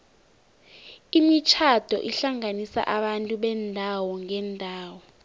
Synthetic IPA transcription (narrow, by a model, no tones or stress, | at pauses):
imit͡ʃʰad̥ʱɔ̰ʔiɬaŋanisa̰ʔaɓantʼuɓɛndʱawɔŋɛːndʱaːwɔ